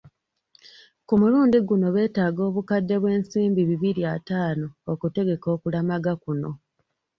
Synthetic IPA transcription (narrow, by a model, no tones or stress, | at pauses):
kumuluːndiɡuno̞βe̞ːtaːɡo̞ːβukadːe̞βwe̞ːnsiːmbiβiβiɾiataːno̞ːkute̞ɡe̞ko̞ːkulamaɡakuno̞̰